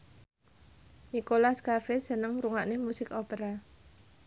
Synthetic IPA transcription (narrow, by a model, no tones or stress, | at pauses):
nikolaskafɪsənəŋɾuŋaʔnemusɪkɔpeɾa